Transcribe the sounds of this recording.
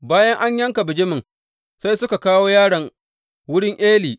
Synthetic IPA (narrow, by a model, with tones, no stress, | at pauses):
baː˦jɐ˦ŋʔa˦ɲjɐ˦ŋka˨bɪ˨d͡ʒɪ˦mɪ˨ŋ | sa˦jsʊ˦ka˨kaː˦woː˦jaː˦ɽɐ˨ŋ | wʊ˦ɽɪ˦ŋʔeː˦liː˨